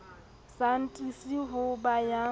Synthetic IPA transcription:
san̩tʼisiɦʊbaja

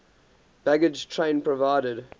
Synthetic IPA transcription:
b̥æɡɪd͡ʒtʰɹẽɪ̃npʰɹəvaɪɾəd

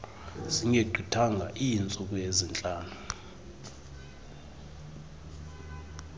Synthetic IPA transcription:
z̥iŋeɡ͡ǀʱitʰaŋʱa̰ʔint͡sʼuk̬ʼujezint͡ɬʼaːnu

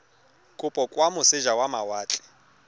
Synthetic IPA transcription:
kʼʊpʼɔkʼwamʊsɪʒawamawaːt͡ɬʼɛ̥

